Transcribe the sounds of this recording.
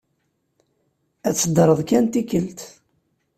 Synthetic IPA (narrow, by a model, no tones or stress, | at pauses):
æt͡sːəd̪ɾˤəðˤkænt̪ikəlt̪